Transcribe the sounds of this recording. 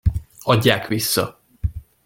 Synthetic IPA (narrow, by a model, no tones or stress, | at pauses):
ɒɟːaːkʋisːɒ̰